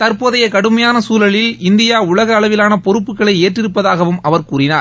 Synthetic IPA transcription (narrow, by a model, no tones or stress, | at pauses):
t̪ɐɾpoːðɐjɐkɐɽɯmɐjaːnɐsuːlɐɭɪlɪnd̪ɪjaːʊɭɐɣɐːɭɐʋɪlaːnɐpɔɾɯpːɯkːɐɭɐɪeːʈrɪɾɯpːɐðaːɣɐʋɯmʔɐʋɐɾkuːɾɪnaːɾ